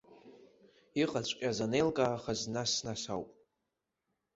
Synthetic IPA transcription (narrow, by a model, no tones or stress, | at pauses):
iqʼat͡ɕʷʰʼkʲʼazanejlkʼaːχaznasnasawpʼ